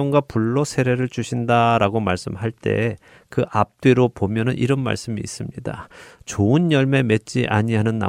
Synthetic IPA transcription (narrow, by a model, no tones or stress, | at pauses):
ʌŋɡapuɭːosʰe̞ɾe̞ɾɯɭt͡ɕuɕʰindaɾaɡomaɭs͈ɯmɦaɭt͈e̞̰ | kɯʔap̚t͈weɾopomjʌnɯnʔḭɾʌnma̰ɭs͈ɯmḭːs͈ɯmɲida̰t͡ɕoɯnjʌɭme̞me̞t̚t͡ɕ͈iʔaɲiɦanɯnːa̰